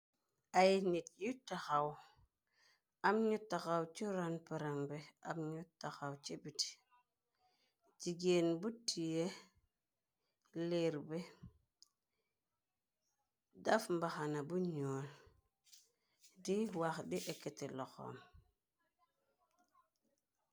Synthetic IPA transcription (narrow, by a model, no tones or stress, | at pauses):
ajinitjutːaxaw | amɲutːaxawt͡ʃuɾanpiɾaŋbea̰mɲutːaxawt͡ʃebiti̥ | d͡ʒiɡeːnbutʰːije | leɾbe | dafmbaxanabuɲoːl | diwaxdiʔeketeloxo̰m